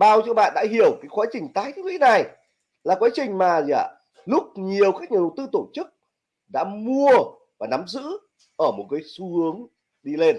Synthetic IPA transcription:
ɓaː˧˩wt͡ɕɨ˧əɓa̰ː˧˨nɗa̰ː˧˥ɦi˧˩əwkaː˨˦jxwaː˨˦t͡ɕï˨˩ŋ̟t̪aː˨˦jt̪ʰːŋwḭ˧˥na˨˩j | laː˨˩kwaː˨˦t͡ɕï˨˩ŋ̟maː˨˩zaː˧˩ | lʊ˦˥k͡p̚ɲi˨˩əwkaː˦˥k̚ɲaː˨˩ɗə˨˩wt̪ɨ˧t̪o˧˩t͡ɕɨ˦˥k̚ | ɗa̰ː˧˥mu˧ə | vaː˨˩na˨˦mzɨ̰˧˥ | ʔəː˧˩mo˨˩t̚kaː˨˦jsu˧hɨ˨˦əŋ | ɗi˧le˧n

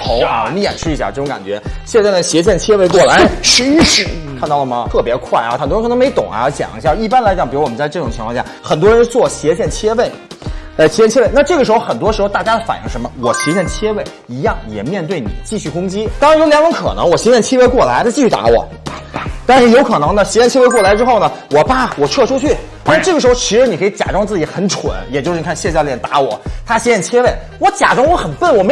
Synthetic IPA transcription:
t̪ʰo˧˥ʊ˧˩n˧˥˩jɛ̰˨˩nʂɻ̩˥˧˥ɕja̰˥˩ʈ͡ʂɤ˥˩ʈ͡ʂʊ˧˥ŋka̰˨˩t͡ɕɥɛ̰˧˥ɕjɛ˥˧nt͡s̪ɕjɛ˧˥t͡ɕjɛ˥˩nt͡ɕʰjɛ˥we˥˧ɪkwɔ˥˩la˧˥ɪʂɻ̩˧˥i˥˧˥ʂɻ̩˥˩kʰnt̪ɑ˥˩ʊlə˩mɐ˩t̪ʰɤ˥˩pjɛ˧˥kʰwa˥˩ɪa̰˩xt̪wʰn˧˥me˧˥ɪt̪ʊ̰˨˩ŋa̰˦˥t͡ɕjɑ̰˨˩ŋḭ˧˥ɕja˥˩i˥˩pa˥nla˧ɪt͡ɕɑ˨˩˦ŋpi˨˩ɻwɔ˨˩m˦nt͡sa˥˧ɪʈ͡ʂɤ˥˩ʊ˨˩ŋt͡ɕʰi˧˥ŋkʰɑ˥˧ɕja˥˩xə˨˩nt̪wɔ˥ɻə˧˥nt͡swɔ˥˩ɕjɛ˧˥ɕjɛ˥˩nt͡ɕʰjɛ˥we˥˩ɪ | ə˧˩ɕjɛ˥˩t͡ɕʰɛ˥e˥˧ɪna˥˧ʈ͡ʂɤ˥˩ə˩ʂɻ̩˧˥xo˧ʊxə˨˩nt̪wɔ˥ʂɻ̩˧˥xt̪a˥˩t͡ɕja˥d̪ə˨˩fa̰˨˩nji˧˥ŋʂə˧˥mə˧wɔ˨˩ɕjɛ˧˥ɕjɛ˥˩nt͡ɕʰjɛ˥we˥˩ɪ | i˧˥jɑ˥˩ŋjɛ˨˩mjɛ˥˧nt̪we˥˩ɪnḭ˨˩t͡ɕi˥˧ɕy˥˩kʊ˥ŋt͡ɕi˥t̪ɑ˥ŋɻjo˧˥ʊljɑ˧˥ŋʈ͡ʂʊ˧˥ŋkʰɤ̰˨˩nɤ̰˧˥ŋwɔ˨˩ɕjɛ˧˥ɕjɛ˥˩nt͡ɕʰɛ˥we˥˧ɪkwɔ˥˩la˧˥d̪ə˧t͡ɕi˥˧ɕʰt̪a̰˧˥wɔ̰˨˩˦ | t̪a˥˧nʂɻ̩˥˩jo˧˥ʊkʰɤ˨˩nɤ˧˥ŋnə˧ɕjɛ˧˥ɕjɛ˥˧nt͡ɕʰjɛ˥e˥˧ɪkwɔ˥˩la˧˥ɪʈ͡ʂɻ̩˥xo˥˩ʊnə˩wɔ˨˩pa˥˩wɔ˨˩ʈ͡ʂʰɤ˥˧ʈ͡ʂʰu˥t͡ɕʰy˥˩˧ | ʈ͡ʂɤ˥˩ə˩ʂɻ̩˧˥xo˥˧t͡ɕʰi˧˥ʂɻ̩˧˥n˨˩kʰi˧˥t͡ɕja̰˨˩ʈ͡ʂɑ˥ŋt͡sɹ̩˥˩t͡ɕi˧˥xə˧˩˥nʈ͡ʂʰw̰njɛ˨˩t͡ɕo˥˧ʂɻ̩˧˩˨kʰɕjɛ˥˧t͡ɕjɑ˥˧ljɛ˥˩nt̪a˧˥wɔ˨˩˦t̪ʰa˥ɕɛ˧˥ɕjɛ˥˩t͡ɕʰjɛ˥we˥˩ɪ | wɔ˧˥t͡ɕja̰˨˩ʈ͡ʂɑ˥ŋwɔ˧˥xə˨˩nfə˥˩nwɔ˨˩me˧˥

